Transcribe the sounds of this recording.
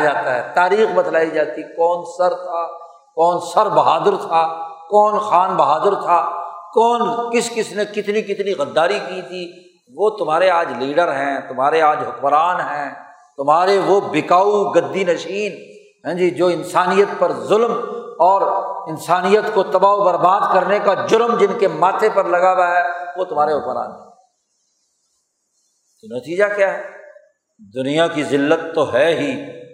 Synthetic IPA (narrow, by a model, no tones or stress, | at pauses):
d͡ʒaːt̪aɦɛːt̪aːɾiːxbɐt̪laːid͡ʒaːt̪ikɔːnsɐɾt̪ʰaː | kɔːnsɐɾbɐɦaːd̪əɾt̪ʰaːkɔːnxaːnbɐɦaːd̪əɾt̪ʰaːkɔːnkɪskɪsnekɪt̪nikɪt̪niɣɐd̪ːaːɾikit̪ʰiː | ʋot̪ʊmaːɾeaːd͡ʒliːɖəɾɦɛ̃ːt̪ʊmɦaːɾeaːd͡ʒɦʊkməɾaːnɦɛ̃ː | t̪ʊmɦaːɾeʋobɪkaːuɡɐd̪ːinɐʃiːn | ɦɛ̃ːd͡ʒid͡ʒoːɪnsaːnijət̪pɐɾzʊlmɔːɾɪnsaːnijət̪kot̪ɐbaːubɐɾbaːd̪kɐɾnekad͡ʒʊɾmd͡ʒɪnkemaːt̪ʰepɐɾlɐɡaːwaɦɛʋot̪ʊm̤ɦaːɾeɦʊkmɾa̰ːnɦɛ̃ | t̪onɐt̪iːd͡ʒakjaːɦɛ | d̪ʊnijakizɪlːət̪ːoɦɛɦiː